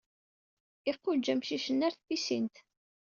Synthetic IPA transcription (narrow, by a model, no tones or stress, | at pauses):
ɪqːʊd͡ʒːæmʃiʃənːæɾθfisint̪